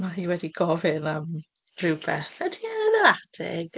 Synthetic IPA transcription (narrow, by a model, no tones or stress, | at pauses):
maɦiːwɛdiɡɔvɪnam̥ | rɪwbɛθɛdʰiənəɾad̥ɪ̰ɡ̥